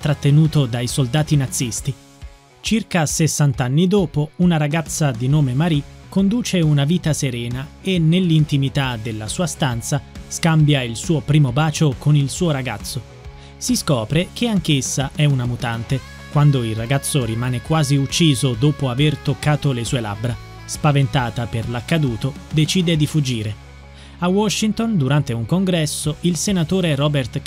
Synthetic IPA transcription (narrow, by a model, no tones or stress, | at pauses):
t̪ɾat̪ːenuːt̪od̪ajsold̪aːt̪inat̪sːist̪i | t͡ʃirkasesːant̪anːid̪oːpounaɾaɡat̪sːad̪inoːmemaɾikːond̪uːt͡ʃeunaviːt̪aseɾɛːna | enːelːint̪imit̪ad̪elːasuːast̪ant̪saskambjailsuːopɾiːmobaːt͡ʃokonilsuːoɾaɡat̪sːo | siskɔːpɾek̟eaŋk̟esːaɛunamut̪ant̪e | kwand̪oilraɡat̪sːoɾimaːnekwaːziut͡ʃːiːzod̪oːpoavert̪okːaːt̪olesuːela̰bɾa | spavent̪aːt̪aperlakːad̪uːt̪od̪et͡ʃiːd̪ed̪ifud͡ʒːiːɾe | awɔʃːint̪ond̪uɾant̪euŋkoŋɡɾɛsːoilsenat̪oːɾeɾɔbert̪